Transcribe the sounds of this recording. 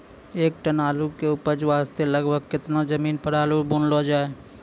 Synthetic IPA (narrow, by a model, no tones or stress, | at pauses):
eːk̚ʈɐnaːlukeuːpəɾd͡ʒʋaːst̪elɐɡbəɡ̚kɪt̪nazɐmiːnpəɽaːlubũːnloːd͡ʒaːe